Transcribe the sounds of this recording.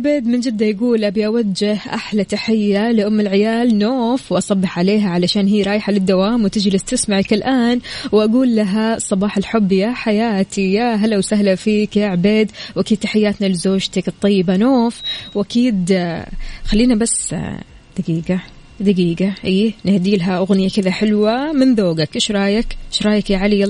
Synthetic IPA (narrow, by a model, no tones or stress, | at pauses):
beːd̪mɪnd͡ʒɪd̪ːajaɡuːlʔabiʔawad͡ʒːɪhʔa̰ħlat̪aħɪjːalɪʔʊmːɪlʕɪjaːlnoːfwʔɑsˤɑbːɪħʕaleːɦaʕalaʃaːnɦiːɾˤɑːjħalɪd̪ːawaːmwt̪ɪd͡ʒlɪst̪ɪsmaʕakɪlʔaːnwʔaɡuːlːaɦasˤːɑbɑːħalħʊbːjaːħajaːt̪ʰijaːɦalːawsaɦlafiːkjaːʕbeːd̪wʔakid̪̚t̪aħɪjːaːt̪nalɪzoːʒt̪akɨt̪ˤːɑjːɪbanoːfwʔakiːd̪ | xalːiːnabas | d̪̥aɡiːɡa | d̪aɡiːɡaʔiːnɪhd̪iːlɦaʔʊɣnɪjakɪðaħɪlwamɪnðoːɡakʔɪʃɾˤɑːjakɪʃɾˤɑːjakjaʕali